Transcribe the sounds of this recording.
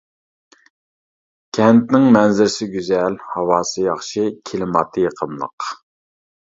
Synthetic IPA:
kʲʰɛnt̪nɪŋmɛnzɪɾsɪɡʲyzɛlhɑwɑːsɨjɑχʃɨkʲʰilɪmɑt̪ʰɨjəqʰəmlˠə̰q

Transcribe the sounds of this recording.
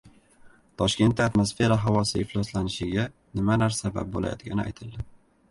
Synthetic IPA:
t̪ʰɒʃkʲe̞nt̪̚ːaat̪mosfe̞ɾaɦavɒsɪɪhlɒslanɪʃɪɡʲa | nɪmanaɾsaba̰p̚bola̰jɒ̰t̪ɡʲa̰nɪa̰jt̪ʰɪld̪ɪ

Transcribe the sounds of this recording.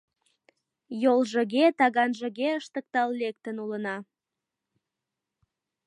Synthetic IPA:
jolʒəɣet̪ɑɣɑnʒəɣeəʃt̪ək̚t̪ɑllek̚t̪ənulənɑ

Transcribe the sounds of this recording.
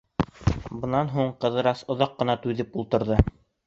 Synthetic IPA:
bɤ̆nɑnɦuɴqɤ̆ðɤ̆ɾɑsŏðɑqːɤ̆nɑt̪ʉðɘpulˠt̪ɤ̆ɾðɤ

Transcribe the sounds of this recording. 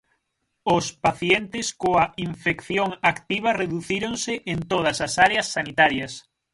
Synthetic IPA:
ʊspaθjɛnt̪ɪskoɐʔiɱfekθjoŋakt̪iβ̞ɐreðuθiɾoŋsɪʔent̪oð̞ɐsɐsaɾeɐsːanit̪aɾjɐs

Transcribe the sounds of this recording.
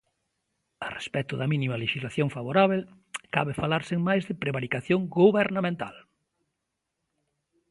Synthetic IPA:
arḛspɛt̪ʊðɐmĩnimaleʃizlaθjoŋfaβoɾaβel | kaβɪfalaɾseŋmajzðɪpɾeβaɾikaθjoŋɡuβeɾnamẽnt̪a̰l

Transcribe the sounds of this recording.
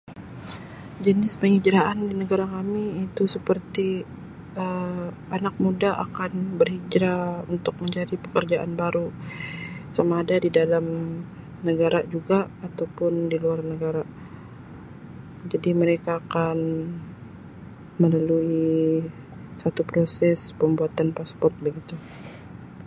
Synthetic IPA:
d͡ʒənɪspəŋid͡ʒɾaandinəɡaɾakamiːt̪usəpərt̪i | ə | anak̚mudaʔa̰kanbərhid͡ʒɾaunt̪ʊk̚məɲd͡ʒadipə̥kərd͡ʒaʔa̰nbaɾu | samaːdadidalam | nəɡaɾad͡ʒuɡaːt̪awpʊndiluarnəɡaɾa | d͡ʒadiməɾekaːkan | məlalui | sat̪upɾosɛspəmbuat̪anpaspɔrt̪̚bəɡit̪u

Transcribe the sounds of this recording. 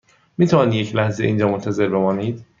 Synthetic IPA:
miːt̪ʰævɒnijecʰlæhzḛʔind͡ʒɒːmont̪ʰæze̞ɾbe̞mɒːniːd̪̥

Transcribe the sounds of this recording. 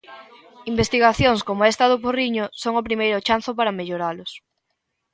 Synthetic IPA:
imbest̪iɣaθjoŋskomoɛst̪aðop̬oriɲosoŋʊpɾimejɾot͡ʃan̟θʊp̬aɾɐmeʎoɾalʊs

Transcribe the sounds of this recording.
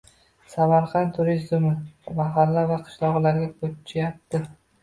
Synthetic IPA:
samaɾqʰɑnt̪t̪ʰʊɾɪzd̪mɪmaɦalːavaqʰɨ̥ʃlˠɒʁlaɾɡʲakʰot͡ʃʰajap̚t̪ɪ

